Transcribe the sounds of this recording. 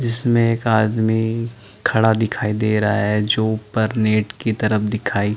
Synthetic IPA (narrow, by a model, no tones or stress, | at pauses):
d͡ʒɪsmẽeːkaːd̪mi | kʰɐɽad̪ɪkʰaːid̪eːɾɐaɦɛd͡ʒoːpɐɾneːʈkit̪ɐɾəfd̪ɪkʰaːi